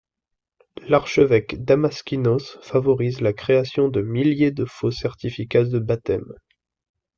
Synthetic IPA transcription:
laʁʃəvɛkd̪amaskʲinosfavɔʁizlakχeasjɔ̃d̪əmiljed̪əfosɛʁt̪ifikad̪əbat̪ɛm

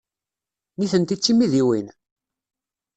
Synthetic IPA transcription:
niθənt̪it͡sːimiðiwin

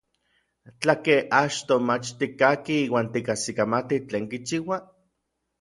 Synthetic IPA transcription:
t͡ɬakeat͡ʃt̪omat͡ʃt̪ikakiiːwaːnt̪ikasikamat̪it͡ɬeːŋkit͡ʃiwa

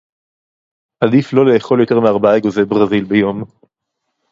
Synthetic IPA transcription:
ʔad̪iflo̞le̞ːχo̞ljo̞t̪e̞ʁmeaʁbaaeɡozebʁazilbejo̞m

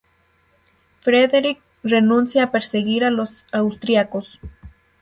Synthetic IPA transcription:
fɾeðeɾik̚ | renũnsjaːpeɾseɣiɾalosawst̪ɾjakos

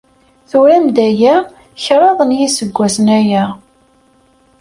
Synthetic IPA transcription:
θuɾæmd̪æjæ | çɾˤɑðˤənjisəɡʷːæsənæjæ

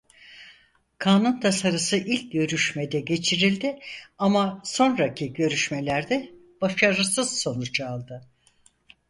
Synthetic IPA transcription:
kʰaːnunt̪ʰasaɾɯsɯʔilʲc̚ɟø̞ɾyʃmed̪ɛɟe̞t͡ʃʰiɾilʲd̪ɪamaso̞nɾacʰiɟø̞ɾyʃmelʲæɾd̪ɛ | b̥aʃaɾɯsɯz̥so̞nut͡ʃʰalˠd̪ɯ

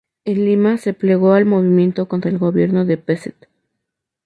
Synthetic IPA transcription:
elːimase̞ple̞ɣo̞almo̞βimjẽ̞nt̪o̞ko̞nt̪ɾaelɣo̞βje̞ɾno̞ðe̞peset̪

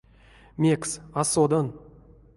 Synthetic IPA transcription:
mʲeksasod̪ən

